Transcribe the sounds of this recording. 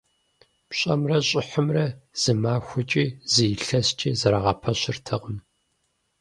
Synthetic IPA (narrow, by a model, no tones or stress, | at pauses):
pɕʼɐ̰mrɐɕʼɪħəmrɐz̥ɨmaːxʷʊt͡ʃʼiːzɨjɬɐst͡ʃʼiːzɐɾaːʁɐpʰɐɕɪrtʰɨʁəm